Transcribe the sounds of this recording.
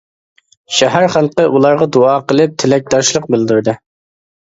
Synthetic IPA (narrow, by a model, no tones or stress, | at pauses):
ʃɛɦæɾχælˠqəʔulˠɑɾʁɑd̪uɑːqəlˠɨp̚t̪ʰɪlɛk̚ʲd̪ɑʃlˠəq̚bɪld̪yɾd̪ɨ